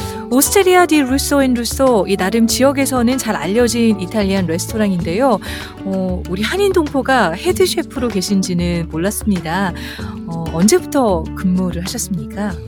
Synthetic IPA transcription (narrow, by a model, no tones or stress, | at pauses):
osʰɯ̥tʰeɾiadiɾus͈oinɾus͈oinaɾɯmt͡ɕijʌɡe̞sʰʌnɯnt͡ɕaɾa̰ʎːʌd͡ʑinitʰaʎːianɾe̞sʰtʰoɾaŋinde̞jo | ʌuɾihaɲindoŋpʰoɡahe̞dɯɕʰe̞pʰɯɾoke̞ɕʰind͡ʑinɯnmoɭːas͈ɯmɲida | ʌʌnd͡ʑe̞butʰʌkɯmmoɾɯɭɦaɕʰʌs͈ɯmɲik͈a